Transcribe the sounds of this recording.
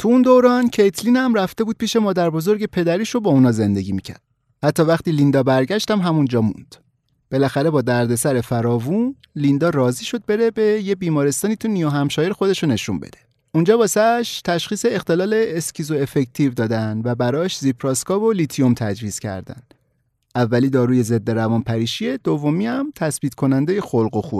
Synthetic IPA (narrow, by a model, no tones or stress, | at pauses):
t̪ʰuund̪oɾɒːncʰejt̪ʰliːnæmræft̪e̞buːd̪̥̚piːʃe̞mɒːd̪æɾbo̞zo̞ɾɟe̞pʰe̞d̪æɾiːʃo̞bɒːunɒːze̞nd̪e̞ɟʲiːmiːcʰæ̰ɾd̥̪ | hæt̪ʰːɒːvæxt̪iːlind̪ɒːbæɾɟæʃt̪æmɦæmund͡ʒɒːmṵnd̪̥ | b̥e̞læxæɾe̞bɒːd̪æɾd̪e̞sæɾe̞fæɾɒːvun | lind̪ɒːɾɒːziːʃo̞d̪̚be̞ɾe̞be̞jebiːmɒːɾe̞st̪ɒːniːt̪ʰunijoɦæmʃɒːjeɾexo̞d̪e̞ʃone̞ʃṵmbḛd̪e̞̥ | und͡ʒɒːbɒːsæʃt̪ʰæʃχiːse̞ext̪e̞lɒːle̞ːscʰizoe̞fe̞ct̪ʰivd̪ɒːd̪ænvæbæɾɒːʃzipʰɾɒskɒːvo̞lit̪ʰijomt̪ʰæd͡ʒviːz̥cʰæ̰ɾd̪æ̰n | ʔævːæliːd̪ɒːɾuːje̞ze̞d̪ːe̞ɾævɒːnpʰæɾiːʃie̞d̪ovːomiːæmt̪ʰæsb̥iːt̪kʰo̞nænd̪e̞jexolɢo̞xu